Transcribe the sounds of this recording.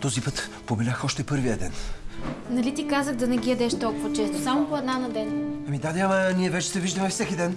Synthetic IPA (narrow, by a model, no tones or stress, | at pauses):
t̪ɔzipɤt̪ | pobɛlʲaxɔʃt̪ɛpɤɾvijəd̪ɛn | nɐlit̪ikazəɣd̪ɐnɛɡʲijɐd̪ɛʃt̪ɔlˠkʊvɐt͡ʃɛst̪osamopoɛd̪nanɐd̪ɛnɐmid̪ad̪aməniɛvɛt͡ʃɛ̥sɛviʒd̪əmɛfsɛkʲid̪ɛn